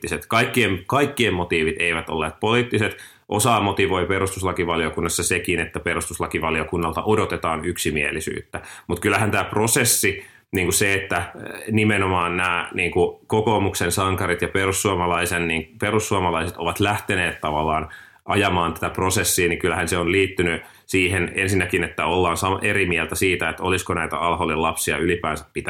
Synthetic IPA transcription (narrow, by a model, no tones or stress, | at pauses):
iset̪kɑikːiemkɑikːiemmot̪iːʋit̪eiʋæt̪o̰lːḛːt̪̚poliːt̪ːiset̪ | ʔo̰sɑːmot̪iʋo̞ipeɾust̪uslɑkiʋɑliokunːɑsːɑsekinet̪ːæpeɾust̪uslɑkiʋɑliokunːɑlt̪ɑ̰ʔodot̪et̪ɑːnyksimiḛlisy̰ːt̪ːæmut̪kylːæɦænt̪æːprosesːi | niːŋkuseet̪ːænimenomɑːnnæːniːŋkukokoːmuksensɑŋkɑɾit̪jɑperusːuɑmɑlɑisenniːŋperusːuɑmɑlɑiset̪oʋɑt̪læht̪eneːt̪t̪ɑʋɑlːɑːn | ʔɑjɑmɑːnt̪æ̥t̪æprosesːiːnikylæhænseonliːt̪ːyny | siːhenensinːækinet̪ːæolːɑːnsɑʔeɾimiɛlt̪æsiːt̪æet̪ːoliskonæit̪æ̰ɑlholːilɑpsiɑ̰ylipæːnsæ̥ppit̪æ